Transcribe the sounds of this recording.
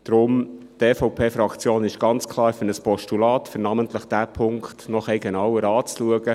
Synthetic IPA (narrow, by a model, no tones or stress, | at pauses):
d̥ɾʊm | tɛːfɔwpʰeːfɾɑkʰt͡sjoːnɪʃɡ̥ɑnt͡skʰlˠɑːɾfənəspɔʃtulɑːtfʏɾnɑmənt̪ləχd̥æpʰʊŋktnɔχɛjɡenɑwəɾɑːt͡sluəɡə